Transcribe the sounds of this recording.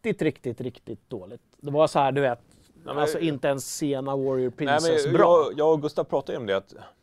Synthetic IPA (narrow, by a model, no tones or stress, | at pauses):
t̪ɪt̪ɾɪkt̪ɪt̪ɾɪkt̪ɪt̪̚d̪oːlɪt̪d̪ɛvasɔhæːɖɵveːt̪ | alsɔɪnt̪əɛnsːeːnawɔɾɪəɾpʰɾɪnɛsmɛnbɾjɑːɔɡɵst̪avpʰɾɑːt̪ad̪əɔmd̪ɛat̪